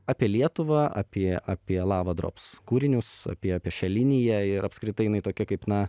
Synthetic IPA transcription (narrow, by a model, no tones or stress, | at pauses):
ɑːpʲiɛlʲiɛt̪ʊʋɐa̰pʲiɛaːpʲiɛlˠɑːʋɐd̪ɾo̰ːpskuːɾʲɪnʲʊsa̰ːpʲiɛaːpʲiɛʃʲɛlʲɪnʲɪjɛɪɾɐpskɾʲɪt̪ɐɪjɪnɐɪt̪oːkʲɛkɐɪpnɐ